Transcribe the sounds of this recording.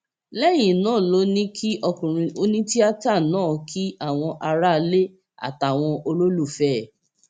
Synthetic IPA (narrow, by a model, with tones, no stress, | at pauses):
lɛ˦˨j̃ĩ˨nãː˦˨lo˧˦nĩ˦kʰi˦ʔɔ˧kũ˨ɾ̃ĩ˧o˦nĩ˦ti˦a˦ta˦˨nãː˦kʰi˦a˦˨w̃ɔ̃˧ʔa˧ɾa˦˧le˦ | a̰˦˨ta˨w̃ɔ̃˧ʔo˧lo˦lu˦˨fɛ˦˨